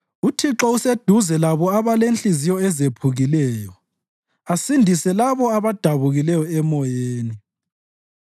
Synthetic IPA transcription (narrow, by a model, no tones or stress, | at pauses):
utʰiǁɔused̥ʱuzɛlaβɔaβalenɬizijɔɛzepʰuɣilɛːjɔ | asindʱisɛlaβɔaβad̥ʱaβuɣilɛjɔɛmɔjeːni